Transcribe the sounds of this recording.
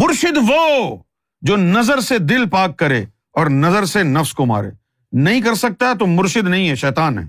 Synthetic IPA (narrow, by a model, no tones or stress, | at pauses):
mʊɾʃɪd̪ʋoː | d͡ʒoːnɐzəɾsed̪ɪlpaːkːɐɾḛː | ɔːɾnɐzəɾsenɐfskoma̰ːɾḛː | nɐɦĩk̬ɐɾsɐk̚t̪aɦɛt̪̬omʊɾʃɪd̪nɐɦĩɦɛʃɛːt̪aːnɦɛ̰ː